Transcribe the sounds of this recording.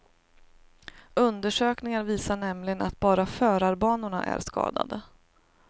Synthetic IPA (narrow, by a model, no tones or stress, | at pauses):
ɵnd̪əʂøːknɪŋaɾviːsaɳɛmlɪɡənat̪̚bɑːɾafœːɾaɾbɑːnʊɳa̰ʔæ̰ɾskɑ̰ːd̪a̰d̪ə